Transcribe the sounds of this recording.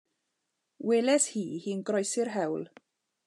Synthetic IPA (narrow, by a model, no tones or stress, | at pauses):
weːlɛshiːhiːnɡrɔjsɪrɦɛwlˠ